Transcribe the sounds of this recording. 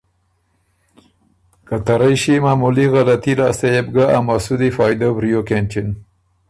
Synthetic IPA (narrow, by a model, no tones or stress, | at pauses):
kat̪aɾajʃimaːmuliɣalat̪ilɑst̪ejeb̚ɡaamasud̪ifɑjd̪obɾijokent͡ʃɪn